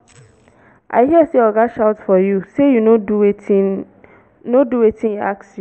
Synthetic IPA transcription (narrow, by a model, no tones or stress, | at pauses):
ʔa̰ɪɦiəseɔɡaʃaʊtfɔjusejunoduei | noduwetʰĩnjɔaksju